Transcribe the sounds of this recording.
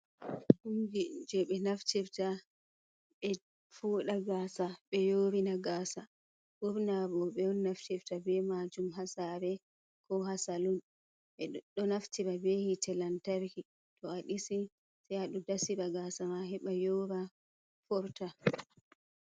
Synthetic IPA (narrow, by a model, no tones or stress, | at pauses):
humɡid͡ʒɛɓɛnaftiɾta | ɓɛ | fuːɗaɡaːsaɓɛjoːɾinaɡaːsa | ɡuɾnabɔɓɛɔnːaftiftabɛmad͡ʒumɦasaɾɛ | kʰɔɦasalun | ɛɗɔnaftiɾabɛhitʰɛlantaɾki | tʰɔaɗisi | sɛjhaɗɔdasiɾaɡasamaɦɛɓajoɾa | fɔɾta